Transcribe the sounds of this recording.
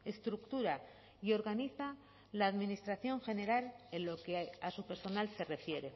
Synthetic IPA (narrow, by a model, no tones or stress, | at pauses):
e̞st̪ɾukt̪uɾa | io̞ɾɣaniθa | laːðminist̪ɾaθjo̞ŋxe̞ne̞ɾalenlo̞keasupe̞ɾso̞nalse̞re̞fje̞ɾe̞